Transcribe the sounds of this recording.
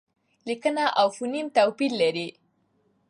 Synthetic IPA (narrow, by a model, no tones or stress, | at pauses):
likənaʔawfunimt̪awpiɾlaɾi